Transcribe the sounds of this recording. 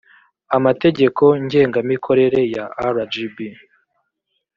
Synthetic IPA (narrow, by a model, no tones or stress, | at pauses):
amate̞ɟe̞ko̞ɲɟe̞ːŋɡamikʰo̞ɾe̞ɾe̞jaaɾad͡ʒibi